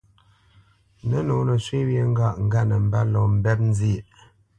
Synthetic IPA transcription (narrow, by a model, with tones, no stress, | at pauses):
nə˦no˨˦nə˨swi˦wje˦ŋ̩˦ɡa˦˨ʔŋ̩˨˦ɡa˦˨nə˨m̩˨ba˦lɔ˨m̩˨bɛ˦t̚n̩˦zi˦˨ʔ